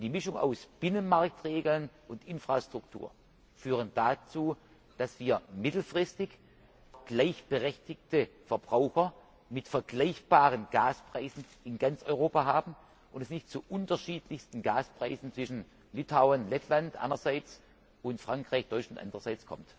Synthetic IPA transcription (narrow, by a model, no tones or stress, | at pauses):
d̥iːmɪʃʊŋa̰ʊsb̥ɪnənmaɐk̚tʁeːɡl̩nʔʊntʔɪnfʁ̥astʁ̥ʊk̚tʰṵːɐ | fyːʁ̞ənd̥at͡suː | d̥asv̥iːɐmɪtl̩fʁ̥ɪstɪç | ɡ̥laɪçb̥əʁɛçtɪk̚təfɛɐbʁaʊxɐ | mɪtfɛɐɡlaɪçb̥aːʁənɡ̥aːspʁ̥aɪzn̩ | ɪnɡant͡sʔɔ̰ʏʁoːpaɦaːbm̩ | ʔʊndɛsnɪçtt͡suʔʊntɐʃiːtlɪçstn̩ɡaːspʁ̥aɪzn̩t͡sv̥ɪʃn̩ | lɪtʰaʊənlɛtʰlantʔa̰ɪnɐzaɪt͡s | ʊntfʁ̥aŋkʁ̥aɪçd̥ɔʏt͡ʃʊntʔa̰ndəʁɐzaɪt͡skʰɔ̰mt